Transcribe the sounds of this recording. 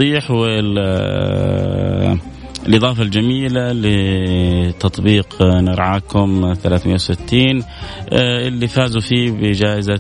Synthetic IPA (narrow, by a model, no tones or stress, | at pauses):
iːħwɪ | ɪlʔɨðˤɑːfald͡ʒamiːlalɪ | t̪ɑt̪ˤbiːqnɪɾˤʕaːkʊmθalaːθmɪjːawʊsɪt̪ːiːn | ʔɪlːifaːzufiːbɪd͡ʒaːʔɪza